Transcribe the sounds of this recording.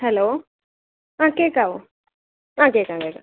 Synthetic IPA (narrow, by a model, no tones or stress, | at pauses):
hɛloː | ãkekaʋo | ãkekãkeka